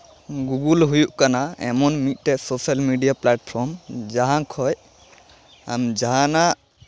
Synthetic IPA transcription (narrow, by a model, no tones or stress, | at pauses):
ɡuɡulɦujuʔkanaɛ̰mɔnmit̪̚ˀʈɛsosalmiɖijaplaʈpʰɔmd͡ʒaɦãkʰɔj | a̰md͡ʒaɦãnaʔ